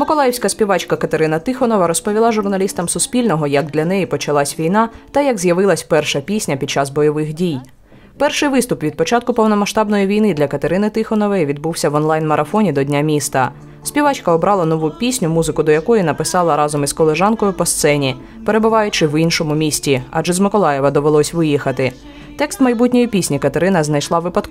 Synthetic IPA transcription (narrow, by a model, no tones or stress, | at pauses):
mʊkɔlˠajɛwsʲkɐsʲpʲiʋɑt͡ʃkɐkɐt̪eɾɪnɐt̪ɪxɔnɔʋɐɾɔspɔʋʲilˠɑʒʊrnɐlʲist̪ɐmsʊsʲpʲilʲnɔɦɔjɐɡ̚d̪lʲɐn̪ɛjipɔt͡ʃɐlˠɑsʲʋʲijnɑt̪ɐjɐɡzʲjɐʋɪlˠɐsʲpɛrʃɐpʲisʲnʲɐpʲid̪t͡ʃɑzbɔjɔʋɪxdʲij | pɛrʃɪjʋɪst̪ʊpʋʲid̪̚pɔt͡ʃɑt̪̚kʊpɔwnɔmɐʃt̪ɑbnɔjiʋʲijnɪd̪lʲɐkɐt̪eɾɪnɪt̪ɪxɔnɔʋɛʋʲid̪̚buwsʲɐʋɔnlˠɑjnmɐɾʔɐfɔnʲid̪ɔdʲnʲamʲist̪ɐ | sʲpʲiʋɑt͡ʃkɐɔbɾʔɑlˠɐnɔʋupʲisʲnʲʊmuzɪkʊd̪ɔjɐkɔjinɐpɪsɑlˠɐɾɑzɔmizkɔlˠeʒɑnkɔjʊpɔst̪sɛnʲi | pe̞ɾebʊʋɑjʊt͡ʃɪwinʃɔmʊmʲisʲtʲiɑ̰d͡ʒʒɛzmɪkɔlˠɑjɛʋɐd̪ɔʋelˠɔsʲʋɪjixɐt̪ɪ | t̪ɛkst̪mɐjbutʲnʲɔjipʲisʲnʲikɐt̪eɾɪnɐznɐjʃlˠɑʋɪpɐt̪k